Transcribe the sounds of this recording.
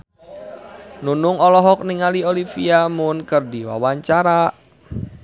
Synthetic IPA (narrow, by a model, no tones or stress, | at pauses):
nunʊŋɔlɔɦɔk̚niŋaliolifiamʊnkɨrdiwa̰waɲt͡ʃaɾa